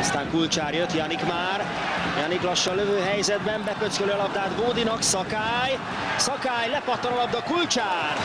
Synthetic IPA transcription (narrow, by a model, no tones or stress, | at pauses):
ɒst̪aːŋkult͡ʃaːrjøt̪jɒnikmaːr | jɒniklɒʃːɒløvøːɦɛjzɛd̪bɛmbɛkøt̪skøløɒlɒbd̪aːd̪boːd̪inɒksɒkaːj | sɒkaːjlɛpɒt̪ːɒnɒlɒb̚d̪ɒkult͡ʃaːr